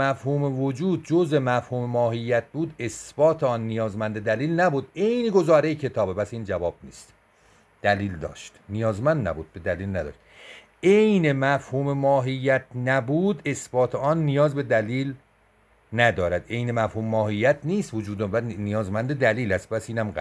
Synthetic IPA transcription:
æfhuːmevod͡ʒuːd̪̚d͡ʒozemæfhuːmemɒːɦijːæt̪̚ʰbuːd̪e̞sb̥ɒːt̪ʰeɒːnːijɒːzmænd̪ed̪æliːlnæbuːd̪e̞jneɡo̞zɒːɾejecʰe̞t̪ʰɒːbepæsiːnd͡ʒævɒːb̚nḭːst̪ | d̪̥æliːld̪ɒ̰ːʃt̪nijɒːzmænd̪næ̰buːd̪̚be̞d̪æliːlnæd̪ɒ̰ːʃt̪ | ejnemæfhuːmemɒːɦijːæt̪ʰnæbuːd̪e̞sb̥ɒːt̪ʰeɒːnːijɒːzbe̞d̪æliːl | næd̪ɒːɾæd̪e̞jnemæfhuːmemɒːhijːæt̪ʰniːst̪vod͡ʒuːd̪bænijɒːzmænd̪ed̪æliːlæst̪̚pæsiːnæmɡæ

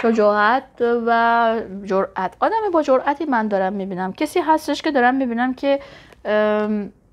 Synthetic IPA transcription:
ʃod͡ʒɒːhæt̪̚væd͡ʒoɾʔæt̪ʰʔɒːd̪æmibɒːd͡ʒoɾʔæt̪ʰimænd̪ɒːɾæmːiːbiːnæmcʰesiːɦæst̪eʃke̞d̪ɒːɾæmːibiːnæmcʰe̞

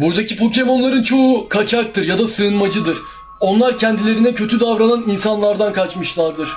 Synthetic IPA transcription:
buɾd̪acʰipʰo̞cʰe̞mo̞nlˠaɾɯnt͡ʃʰo̞ukʰat͡ʃʰak̚t̪ʰɯɾjad̪asɯːnmad͡ʒɯd̪ɯɾ̥ | o̞nlˠaɾcʰɛnd̪ilʲe̞ɾinɛcʰø̞t̪ʰyd̪avɾananinsanlˠaɾd̪ankʰat͡ʃmɯʃlˠaɾd̪ɯɾ̥

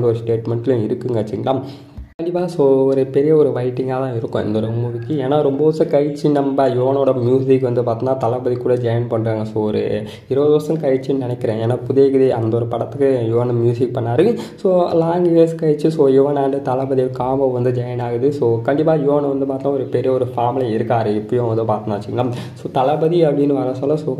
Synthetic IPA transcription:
ɡɐɔɾɯsʈeːʈmɛɳʈɪlʊ̃ɪɾɯkːɯŋɡɐt͡ʃːɪŋɡɐlaː | kɐɳɖɪpːaːsoːɔɾɯpɛɾɪjɐɔɾɯʋɐɪʈːɪŋɡat̪ãːɪɾɯkːʊ̃ɪ̰nd̪ɔɾɐmuːðɪkːɯeːnaːɾɔmbɐɔsɐkɐjt͡ʃːinɐmbɐjoʋɐnoːɽɐmjuːsɪkːʋɐnd̪ɯpaːɾt̪ɯŋnaːt̪ɐlɐbɐðikːuːɽɐd͡ʒɐjɐnpɐɳːɾaːŋɡɐsoːɔɾɯ̰ | ɪɾɐʋɐðɯʋɐɾsɐ̃kɐjt͡ʃːɯnɪnɛkːɪɾẽːeːnaːpʊðeːɣɐðiɐnd̪oːɾɐpɐɽɐt̪ːɯkːɯjoʋɐnɐmjuːsɪk̚pɐɳːaːɾɯsoːlaːŋɡeːskɐjt͡ʃːɯsoːjɛʋɐnaːɳɖɯt̪ɐlɐbɐðikaːʋɐʋɐnd̪ɯd͡ʒɐjɐnaːɣɯðɯsoːkɐɳɖɪp̬ːaːjoːʋɐnɐʋɐnd̪ɯpaːɾt̪ːaːɔɾɯpɛɾɪjɐɔɾɯfaːmɪlɐɪɾɯkːaːɾɯɪpːɐɽijõʋɐnd̪ɯpaːɾt̪ɐnaːɐt͡ʃːɪkːɐnaː | soːt̪ɐlɐbɐðiɐpːɐɽinːɯɐɾɐsaːlɐsoː

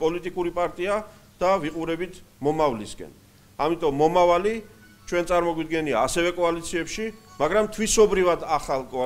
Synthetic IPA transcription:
pʼɔlit̪ʼikʼuɾipʼaɾt̪ʼia | d̪̥aviqʼuɾɛbit̪ʰ | mɔmavlisɡɛ̰n | amit̪ʼɔmːɔmavali | t͡ʃʰwɛnt̪sʼaɾmɔɡwid̪ɡɛniaːsɛvɛkʼɔalit̪sʰiɛpʃimaɡɾamt̪ʰwisɔbɾivad̪aχalˠkʼɔ

